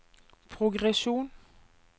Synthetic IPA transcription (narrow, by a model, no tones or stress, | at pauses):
pʰʁʊɡʁɛʃuːn